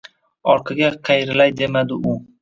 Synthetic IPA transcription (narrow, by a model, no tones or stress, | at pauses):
ɒɾqʰɑɡʲaqʰɑjɾɪlajd̪emad̪ɪʊ